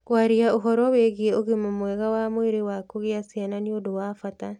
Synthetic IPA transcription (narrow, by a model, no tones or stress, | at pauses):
kwaɾiaoɦɔɾɔweɣeɛoɣemomwɛɣawamoweɾewakoɣeasiananiodowaːfata